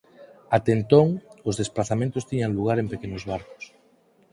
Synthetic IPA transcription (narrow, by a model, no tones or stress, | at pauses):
at̪ent̪oŋozðesplaθamẽnt̪ʊst̪iɲaŋluɣ̞aɾempekenozβaɾko̥s